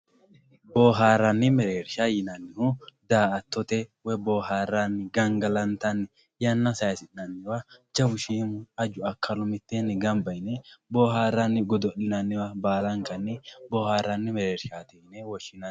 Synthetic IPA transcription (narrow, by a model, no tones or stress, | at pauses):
boːɦaːɾɐnːɪmɛɾeːɾʃajɪnɐnːɪhʊd̪aːɐt̪ːɔt̪ɛwɛboːɦaːrːanːɪɡɐŋɡɐlɐnt̪ɐnːɪ | jɐnːɐsɐjɐsɪnːɐnːɪwad͡ʒɐbʊʃiːmʊɐd͡ʒʊɐkʰːɐlʊmɪt̪ːenːɪɡɐmbɐjnɛboːɦaːɾːɐnːɪɡɔd̪ɔɗɪnɐnːɪwabaːlɐŋkɐnːɪboːhaːɾːɐnːɪmɛɾeːɾʃaːt̪ɛɪnɛwɔʃɪnɐ